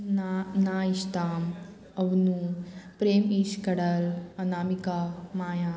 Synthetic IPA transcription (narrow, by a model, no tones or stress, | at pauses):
naːiʃt̪aːm | ɐʋnupɾeːmiʃkɐɽəlɐnaːmikamaːjãː